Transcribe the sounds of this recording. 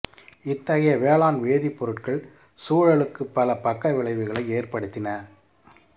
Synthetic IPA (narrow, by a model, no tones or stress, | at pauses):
ɪt̪ːɐɣɐjɐʋeːɭaːnʋeːðipːɔɾɯʈkɐɭ | suːɻɐɭɯkːɯpːɐlɐpɐkːɐʋɪɭɐɪʋɯɣɐɭɐɪeːrpɐɽɯt̪ːɪnɐ